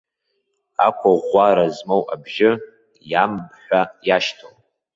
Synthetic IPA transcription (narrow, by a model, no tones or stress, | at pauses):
akʷʰaʁʷaɾazmowʔabʒɪ | jambħʷᶣajaʃtʰow